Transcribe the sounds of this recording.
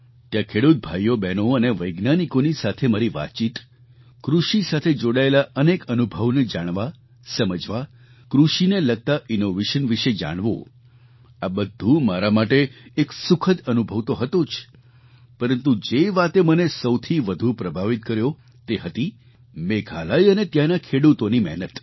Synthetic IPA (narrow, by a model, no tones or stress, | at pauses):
t̪jãkʰeɽut̪̚bʱajːobɛnoəneʋəjɡnanikonisat̪ʰemaɾiʋa̰t͡ʃit̪ | kɾuʃisat̪ʰed͡ʒoɽaelaʔənekənubʱəʋned͡ʒaɽ̃ʋa | səməd͡ʒʋa | kɾuʃineləɡ̚t̪aʔinoʋeʃənʋiʃed͡ʒa̰ɽ̃ʋo̰ | abəd̪ʱːũmaɾamaʈeːksʊkʰəd̪ənubʱəʋt̪oɦət̪ot͡ʃʰ | pəɾənt̪ud͡ʒeʋat̪emənesəwt̪ʰiʋəd̪ʱupɾəbʱaʋit̪̚kəɾjo | t̪eɦət̪i | meɡʰʱalajənet̪janakʰeɽut̪onimɛ̰ɦnət̪